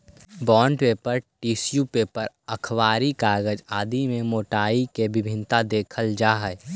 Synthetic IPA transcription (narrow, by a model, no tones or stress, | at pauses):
bɔːɳɖpeːpəɾʈiːsjupeːpəɾ | əkʰʋaːɾikaːɡəd͡ʒaːd̪imẽmoːʈaːikebɪbʱɪ̃nt̪ad̪eːkʰəld͡ʒaːɦɛ